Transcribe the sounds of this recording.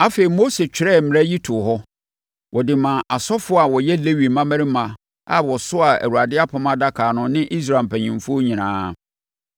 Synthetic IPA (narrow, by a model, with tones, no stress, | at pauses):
a˦fe˨i˨mo˦se˨t͡ɕᶣɪ˨ɾɛ˦˨m̩mɪ̃˨ɾɛ˦ji˦tʰʊ˨ɦɔ˦ | wʔɔ˨dɪ˨mã˨ʔa˨sɔ˦fʊ˦a˨wɔ˨jɛ˦le˦wi˨mã˦mæ̃˦ɾɪ˦mã˨ | a̰˨wɔ˨sʊ˦a˨æ̰˨wu˨a˨dɪ˦a˦pʰã˨˦mã˦da˦kʰaː˨nʊ̃˦nɪ̃˦ʔi˦s̬ɾa˨m˨pʰæ˨ɲĩ˨m˨fʊ˦o˦ɲĩ˨nã̰ː˦